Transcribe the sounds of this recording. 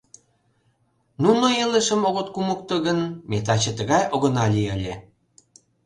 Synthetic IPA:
nunoeləʃə̆moɣot̪̚kumuk̚t̪ɤɣənmet̪̬ɑt͡ɕə̆t̪əɣɑjoɣənɑlʲiəlʲe

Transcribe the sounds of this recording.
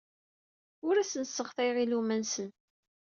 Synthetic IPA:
ʊɾæsənsːəʁθæjʁilumænsən

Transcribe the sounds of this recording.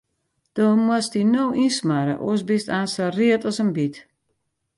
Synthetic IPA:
d̥ɔmwastinowʔinsmaɾə̰ʔo̰əs̬bistaːnsariətɔsənbit

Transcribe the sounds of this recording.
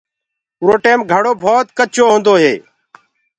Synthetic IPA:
ʊɾoːʈeːmɡʱəɽoːbʱoːt̪kət͡ʃoːɦʊ̃ːnd̪oːɦḛː

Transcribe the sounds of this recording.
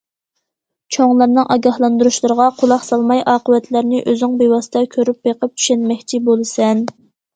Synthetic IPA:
t͡ʃʰoŋlˠɑɾnɨŋʔɑɡʲɑhlˠɑnd̪uɾuʃlˠɨɾəʁɑqʰʊlˠɑχsɑlˠmɑjʔɑːqəvɛt̪ʰlæɾnɪʔøzɪŋbewɑsɨd̪ɑkʲʰøɾyp̚beqəp̚t̪ʰy̥ʃɛnmɛkʲt͡ʃʰibolˠɨsɛn

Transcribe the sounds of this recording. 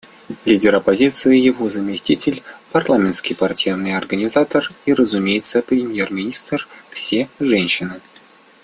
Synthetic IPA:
lʲidʲɪɾɐpɐzʲit̪sɨjɪjɪvozəmʲɪsʲtʲitʲɪlʲpɐrlˠamʲɪnt̪skʲɪjpartʲijnɨjɐrɡənʲɪzat̪əriɾəzumʲejɪt̪səpɾʲɪmʲjermʲɪnʲist̪rfsʲeʐɛnʲɕɪnɨ

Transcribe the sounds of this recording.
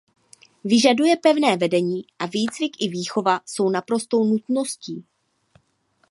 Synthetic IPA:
vɪʒadujɛpɛvnɛːvɛdɛɲiːʔaviːd͡zvɪkʔɪviːxo̞vaso̞wnapɾo̞st̪o̞wnut̪no̞sciː

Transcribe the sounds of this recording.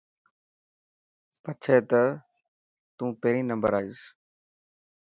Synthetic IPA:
pət͡ʃʰeːt̪ə | t̪ũːpeːɾĩːnəmbəɾaːiːs

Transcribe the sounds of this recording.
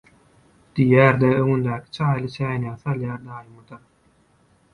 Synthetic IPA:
d̪̥ijæːɾd̪eøŋynd̪æːkʰi̥t͡ʃʰɑːjlˠɯt͡ʃʰæːnæːθɑlˠjɑːɾd̪ɑːjɯmɯd̪ɑɾ

